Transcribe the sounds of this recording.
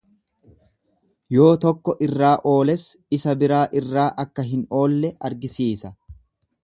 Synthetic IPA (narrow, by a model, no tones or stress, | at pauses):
jo̞ːt̪ɔkːɔʔɪrːaːʔo̞ːlɛsɪsɐbɪɾaːʔɪrːaːʔɐkːɐɦɪno̞ːlːɛɐɾɡɪsiːsɐ